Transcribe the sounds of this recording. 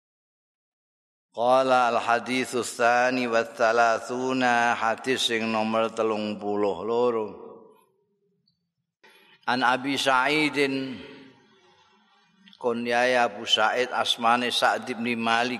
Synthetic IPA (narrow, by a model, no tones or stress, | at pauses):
qɑːlaːlħad̪iːθʊθːaːniwaθːalaθuːnahad̪̥ɪθsːɪŋnɔmərt̪əlʊŋpulʊhloɾo | ʔanʔabisaʔid̪ɪn | kɔnijajapusaʔɪt̪asmanɛsaʔd̪ɪb̚nimalɪk̚